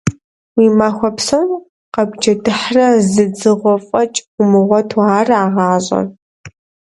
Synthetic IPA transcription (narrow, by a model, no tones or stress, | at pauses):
wiːmaxʷɔpsɐw | qɐɡʷd͡ʒɐdɨħrɐzɨd͡zɨʁʷɔfʼɐt͡ʃʼʊmɨʁʷɔtʰaːraːʁɑːʑʼɐ̰n